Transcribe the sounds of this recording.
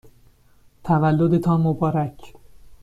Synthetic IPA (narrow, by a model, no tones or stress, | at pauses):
t̪ʰævælːod̪et̪ʰɒːnmobɒːɾæcʰ